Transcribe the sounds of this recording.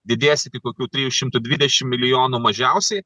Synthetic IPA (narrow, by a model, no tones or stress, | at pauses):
d̪ʲɪd̪ʲeːsʲɪt̪ʲɪkoːkʲuːt̪ʲɾʲiːjuʃʲɪmt̪ʊd̪ʲʋʲɪd̪ʲɛʃʲɪmmʲɪlʲɪjoːnuːmɐʒʲɛʊsʲɛɪ